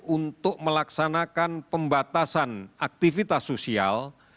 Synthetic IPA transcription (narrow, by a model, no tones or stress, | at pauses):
unt̪ʊk̚məlaksanakanpəmbat̪asanak̚t̪ifit̪asosia̰l